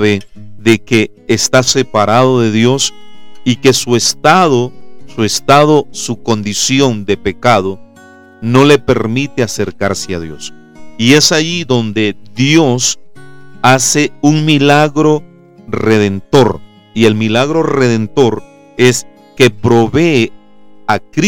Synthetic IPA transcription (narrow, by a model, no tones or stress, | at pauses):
βeðeke̞ː | st̪ase̞paɾað̞o̞ðe̞ðjo̞s | ike̞sue̞st̪aðosue̞st̪aðo̞suko̞nd̪isjo̞nd̪e̞pe̞kaðo | no̞le̞pe̞ɾmit̪e̞ase̞ɾkaɾsea̰ðjo̞̰s | ie̞saʝiðo̞nd̪e̞ðjo̞s | ase̞uŋmilaɣɾo̞ | re̞ðe̞nt̪o̞ɾ | ie̞lmilaɣɾo̞re̞ðe̞nt̪o̞ɾ | e̞s | ke̞pɾo̞βe̞ː | akɾ